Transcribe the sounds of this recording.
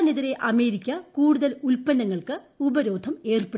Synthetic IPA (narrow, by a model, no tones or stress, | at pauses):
neðiɾe̞ʔɐme̞ːɾikʲːɐkuːɽuðɐlulpɐnːɐŋːɐɭkɨ | ubɐɾo̞ːd̪ʱɐme̞ːrpe